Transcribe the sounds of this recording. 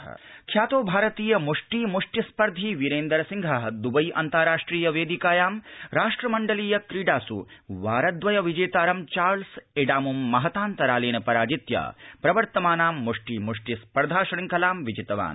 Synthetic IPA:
kʰjaːt̪oːbʱaːɾɐt̪iːjɐmuʂʈiːmuʂʈispɐɾd̪ʱiːʋiɾeːnd̪ɐɾɐsiŋɡʱɐɦɐd̪ubɐjʔɐ̰nt̪aɾaːʂʈɾiːjɐʋeːd̪ikaːjaːmɾaːʂʈɾɐmɐɳɖɐliːjɐkɾiːɖaːsṵʋaːɾɐd̪ʋɐjɐʋid͡ʒeːt̪aːɾɐmt͡ʃaːɾlseːɖaːmumːɐɦɐt̪aːnt̪ɐɾaːleːnɐpɐɾaːd͡ʒit̪ja̰ːpɾɐʋɐɾt̪ɐmaːnaːmːuʂʈiːmuʂʈispɐɾd̪ʱaːʃɐɽiŋkɐlaːmʋid͡ʒit̪ɐʋa̰ːn

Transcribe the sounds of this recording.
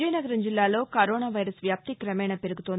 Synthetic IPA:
ɐjnɐɡɐɾɐɲd͡ʒilːaːlo̞ːkɐɾoːnaːʋɐjɾɐsʋjaːp̚t̪ikɾɐmɛːɳɐpe̞ɾuɡut̪on

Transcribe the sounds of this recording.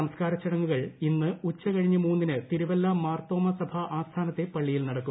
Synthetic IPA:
ɐmɐskaːɾɐt͡ɕːɐɽɐŋːuɣɐɭinːɨut͡ɕːɐkɐɻiɲːɨmuːnːinɨt̪iɾuʋɐlːamaːrt̪o̞ːmɐsɐbʱɐʔaːst̪ʰaːnɐt̪ːe̞pɐɭːijilnɐɽɐkːu

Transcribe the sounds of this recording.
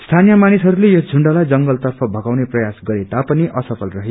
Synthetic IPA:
st̪ʰanijʌmanisɦʌɾulejʌd͡zʱuɳɖʌlajd͡zʌŋɡʌlt̪ʌrpʰʌbʱʌɡawneprʌjasɡʌɾet̪apʌniʔʌsʌpʰʌlrʌɦe

